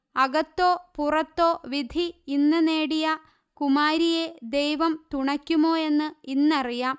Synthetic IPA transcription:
ɐɡɐt̪ːo̞ːpurɐt̪ːoːʋid̪ʱiːnːɐne̞ːɽijɐ | kumaːɾije̞d̪ejʋɐmt̪uɳɐkʲːumo̞ːe̞nːɨinːɐrijaːm

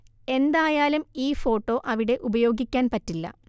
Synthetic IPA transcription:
e̞nd̪aːjaːlumiːfo̞ːʈːo̞ːʔɐʋiɽe̞ʔubɐjo̞ːɡikʲːaːnpɐtːilːɐ̰

